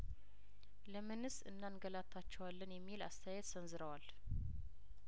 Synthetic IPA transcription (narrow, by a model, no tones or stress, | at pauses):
ləmɨnɨsɨnːanɡəlat̪ʰːat͡ʃːɛwalːənjɛmːila̰st̪ʰəjajɛt̪sənzɨɾəwal